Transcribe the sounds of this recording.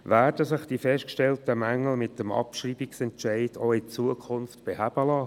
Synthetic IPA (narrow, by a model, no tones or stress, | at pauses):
ʋæːɾd̥əsɪχd̥ifɛʃtkʃtɛltəmæŋːl̩mɪt̚d̥əmɑ̰pʃriːbiksɛntt͡ʃæɪd̥oɪt͡suəkʰχʊnftb̥ehæb̥əlɑː